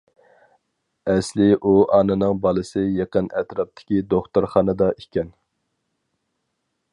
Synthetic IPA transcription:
ɛslɪʔuʔɑːnɨnɨŋbɑlˠɨsɨjeqənɛt̪ɾɑp̚t̪ʰɪ̥kʲid̪oχt̪uɾχɑːnɨd̪ɑʔikʲʰɛn

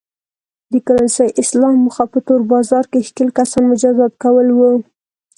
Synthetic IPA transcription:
d̪əkaɾansəjʔɪslɑmːʊxapət̪oɾbɑzɑɾkexkəlkasɑnmʊd͡ʒad̪ɑd̪̚kawəlwu

